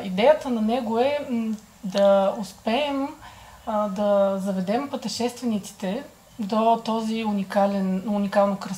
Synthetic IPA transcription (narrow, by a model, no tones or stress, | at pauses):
id̪ɛjət̪ənɐnɛɡoɛ | d̪ɐʊspɛːm | d̪ɐzɐvɛd̪ɛmpət̪ɛʃɛst̪vɛnit̪si̥t̪ɛ | d̪ot̪ɔziunikalɛnʊnikalˠnokɾɐ